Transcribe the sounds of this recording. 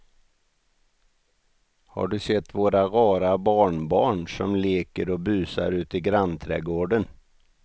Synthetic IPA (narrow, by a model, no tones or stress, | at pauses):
ha̰ɖɵsɛt̪ːvoːɾaɾɑːɾabɑːɳbɑːɳʂɔmleːkəɾɔbʉːsa̰ɾʉ̟ːt̪ɪɡɾant̪ʰɾɛ̰ːɡoːɖən